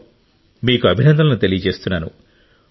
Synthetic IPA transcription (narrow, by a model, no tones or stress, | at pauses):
miːkuɐbʱinɐnd̪ʱɐlɐnut̪e̞lijɐt͡ʃe̞ːst̪unːaːnṵ